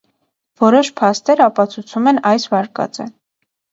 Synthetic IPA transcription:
vɔɾɔʃpʰɑst̪ɛɾɑpɑt͡sʰut͡sʰumɛnɑjsvɑɾkɑ̰t͡sə̰

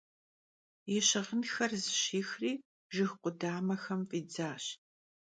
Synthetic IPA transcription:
jɪɕɪʁənxɐrzɨɕiːxriː | ʒɨxqʷʊdaːmɐxɐmfʼiːd͡zaːɕ

